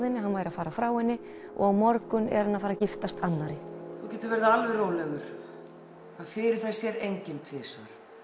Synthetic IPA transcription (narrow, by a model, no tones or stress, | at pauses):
ðɪnːɪɦanvaːjɾafaːɾafɾaːwɛnːɪ | ʔɔ̰ɣawmɔɾkʏnɛ̰ɾhanːaðfaːɾacɪft̪ast̪anːaɾɪθuwcɛːt̪ʏɾvɛɾðaalvɛroːwlɛɣʏɾ̥ | θaðfɪɾɪɾ̥θɛsːjɛɾejɲcɪnt̪ʰvɪːsaɾ̥